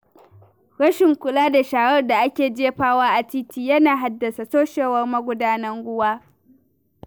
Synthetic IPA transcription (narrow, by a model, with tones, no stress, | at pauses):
ɽɐ˦ʃɪ˨ŋkʷʊ˨laː˦da˨ʃaː˨ɽɐ˦rda˨ʔa˦kʲeː˨d͡ʒeː˦ɸaː˦waː˦ʔa˨t͡ʃiː˦tʰiː˨jɐ˦naː˨ɦa˦dːɐ˨sa˨soː˦ʃeː˨wɐ˦rmɐ˦ɡʷʊ˦daː˦nɐ˦ŋɡʷʊ˦waː˦